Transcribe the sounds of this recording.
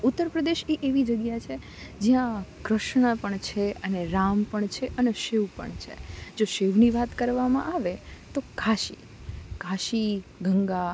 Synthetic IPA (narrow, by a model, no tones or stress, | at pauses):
ut̪ːəɾpɾəd̪eʃiʔeʋid͡ʒəɡjat͡ʃʰe | d͡ʒijãkɾəʃɳəpəɳt͡ʃʰeəneɾampəɳt͡ʃʰeʔəneʃeʋpə̰ɳt͡ʃʰḛd͡ʒoʃeʋniʋat̪kəɾʋamã̰ʔaʋet̪okʰaʃḭ | kaʃiɡʱəŋɡa